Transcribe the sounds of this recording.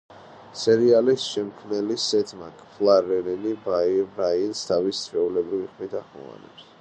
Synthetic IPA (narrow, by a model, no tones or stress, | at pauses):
sɛɾialisʃɛmkʰmɛlisɛt̪ʰmakʰʼpʰlˠaɾɛɾɛnibabainst̪ʰavissʰɾɛulɛbɾiviχmit̪ʰaχɔ̰va̰nɛ̰ps